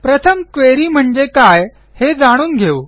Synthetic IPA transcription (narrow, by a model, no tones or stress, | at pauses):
pɾət̪ʰəmkʋeɾiːm̤əɳd͡ʑekaj | hed͡zaɽ̃uːnɡʱeu